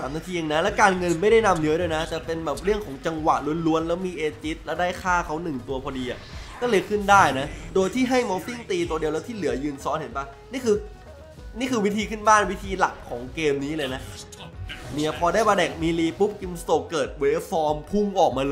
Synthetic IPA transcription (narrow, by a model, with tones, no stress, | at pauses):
aː˨˩˦mnaː˧˥˩t̪ʰiː˧ja˧ŋna˦˥lɛː˦˥wkaː˧nŋɤ˧nma˥˩jda˥˩jna˧mnɯ˦˥ɾoː˧jna˦˥t͡ɕa˨˩pe˧nbɛː˨˩p̚ɾɯ˥˩əŋkʰɔː˩˦ŋt͡ɕa˧ŋwa˨˩t̪̚lu˧ənlu˧˥ənlɛː˦˥wmiː˧ʔeː˧t͡ɕi˦˥t̪̚lɛ˦˥wdaː˥˩jkʰaː˥˩kʰa˦˥wnɯ˨˩ŋt̪u˧ɐpʰɔː˧diː˧ʔa̰˨˩ʔlaː˥˩liː˧kʰɯ˥˩ndaː˥˩jna˦˥doː˧jt̪ʰiː˥˩ɦa˥˩jmɔː˧t̪i˥˩ŋt̪iː˧t̪u˧ədi˧lɛː˦˥wt̪ʰiː˥˩lɯ˩˦ɐjɯː˧nsɔː˦˥nhe˩˦npaː˧˩ | niː˥˩kʰɯː˧ | niː˥˩kʰɯː˧wi˦˥t̪ʰiː˧kʰɯ˥˩nbaː˥˩nwi˦˥t̪ʰiː˧la˨˩kʰːɔː˩˦ŋkeː˧mniː˦˥lɤː˧jna˦˥ʔ | mi˨˩ɐpʰɔː˧daː˥˩jbaː˧dɛː˨˩k̚miː˧liː˧pu˦˥p̚ki˧mst̪o˨˩kːɤː˨˩t̪̚wle˦˥fɔː˧mpʰu˥˩ŋʔɔː˨˩k̚maː˧l